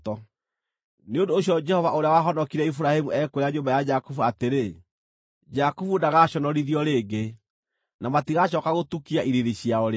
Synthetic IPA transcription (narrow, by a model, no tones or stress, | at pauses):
tɔ | neondoːɕjɔd͡ʒɛhɔvaʔoɾeawaɦɔnɔkiɾɛifuɾahemuɛkweɾaɲoːmbajad͡ʒakufuateɾe | d͡ʒakufudaɣaɕɔnɔɾiðiɔɾeɡe | namatiɣaɕ̬ɔkaɣotukiaʔiɾiðiɕijaɔɾe